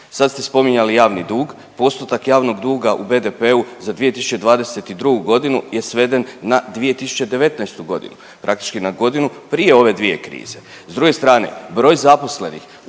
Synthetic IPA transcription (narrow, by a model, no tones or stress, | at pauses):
sad̪st̪e̞spo̞miɲalijaːʋnid̪uːɡ | po̞st̪ut̪akjaːʋno̞ɡd̪uːɡaʔube̞d̪e̞peuzad̪ʋije̞t̪isut͡ɕe̞d̪ʋaːd̪e̞se̞t̪id̪ɾuɡuɡo̞d̪inuje̞sʋe̞d̪e̞nːad̪ʋije̞t̪isu̥t͡ɕe̞d̪e̞ʋe̞t̪najst̪uɡo̞d̪ḭnu | pɾʔak̚t̪i̥t͡ʃkinaɡo̞d̪inupɾije̞o̞ʋe̞d̪ʋije̞̰kɾḭːze̞ | zd̪ɾuɡe̞st̪ɾaːne̞̰bɾo̞ːjzapo̞sle̞̰nḭx